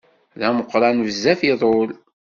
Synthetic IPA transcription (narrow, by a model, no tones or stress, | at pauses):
læməqːɾɑnvəzːæfiðˤol